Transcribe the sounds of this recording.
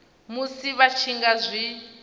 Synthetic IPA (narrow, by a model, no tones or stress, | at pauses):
musiβat͡ʃʰiŋɡazʷi